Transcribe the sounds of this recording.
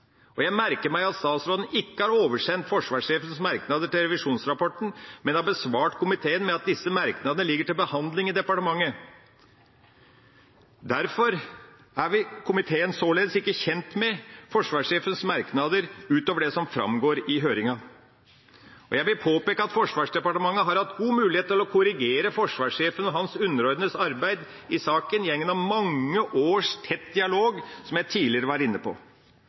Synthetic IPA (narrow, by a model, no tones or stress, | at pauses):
ɔjæɪmæɾkəɾmæɪɑt̪st̪ɑːt̪sɾoːd̪n̩ɪkːəhɑːɾoːʋəʂɛnt̪fɔʂʋɑːʂeːfənsmɑɾknɑd̪əʈɪlɾɛʋɪʂuːnsɾɑpɔʈn̩mɛnɑbəsʋɑːʈkʰʊmɪt̪ʰeːənmɛɑt̪̚d̪ɪsːəmæɾknɑd̪ənəlɪɡːəʈɪlbəhɑnd̪lɪŋɪd̪ɛpɑʈəmɑŋːə | d̪æɾfɔɾ | æɾʋɪkʰʊmɪt̪ʰeːənsoːleːd̪əsɪkːəçɛnt̪mɛfɔʂʋɑːʂeːfənsmɑɾknɑd̪əɾʉːt̪oːʋəɖɛsɔmfɾɑ̰mɡoːɾɪɦøːɾɪŋɑ | ɔ̰jæɪʋɪlpʰoːpeːkəɑt̪fɔʂʋɑːʂɖ̪ɛpɑʈəmɑŋːəɦɑɾhɑt̪ɡuːmʉːlɪheːt̪ʰɪlɔkʰʊɾɪɡeːɾəfɔʂʋɑːʂeːfənɔɦɑnsʉnːəɾɔɾd̪ənəsɑɾbæɪd̪ | ɪsɑːkənjɛŋːənɑʋmɑŋːəʔoːʂt̪ʰɛt̪ːd̪ɪɑloːɡsɔmjæɪt̪ʰiːlɪəɾəʋɑːɾɪnːəpʰɔ̰